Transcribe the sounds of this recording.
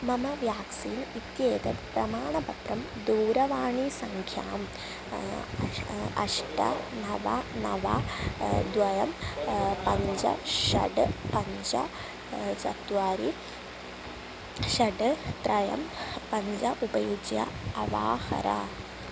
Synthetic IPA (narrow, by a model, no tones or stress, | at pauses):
mɐmɐʋjaːksiːnit̪jeːt̪ɐtpɾɐmaːɳɐpɐt̪ɾɐm | d̪uːɾɐʋaːɳisɐŋkʰja̰ːm | ɐʂʈɐ̰nɐʋɐ̰nɐ̰ʋɐ | d̪ʋɐjɐmpɐɲd͡ʑɐ̰ʂɐ̰ɖɨpɐɲd͡ʑɐ̰ | sɐt̪ːʋaːɾi | ʂɐɖɨt̪ɾɐjɐ̰mpɐɲd͡ʑɐʔubɐjud͡ʒjɐ̰ɐʋa̰ːhɐ̰ɾɐ̰